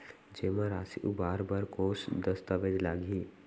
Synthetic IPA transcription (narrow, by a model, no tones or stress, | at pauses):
d͡ʒeːmãɾaːsiʔubaːɾbɐɾkoːsd̪ɐst̪aʋed͡ʒ̪laːɡiː